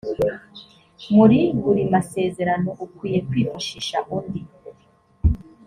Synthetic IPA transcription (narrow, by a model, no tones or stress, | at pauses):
muɾiuɾimase̞ːze̞ɾano̞ʔukwiːje̞kwiːfuʃiʃa̰ʔundi